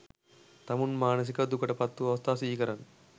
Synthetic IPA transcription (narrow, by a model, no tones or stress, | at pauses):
t̪ɐmunmaːnɐs̬ikɐd̪ukɐʈɐpɐt̪ːuɐʋɐst̪ʰaːsʋiːkɐɾɐn